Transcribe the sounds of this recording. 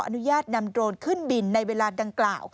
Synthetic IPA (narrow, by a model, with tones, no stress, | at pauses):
ʔa̰˧nu˦˥jaː˥˩t̪̚na˧md̪ɾoː˧nkʰɯ˥˩nbi˧nːa˧jweː˧laː˧da˧ŋklaː˨˩w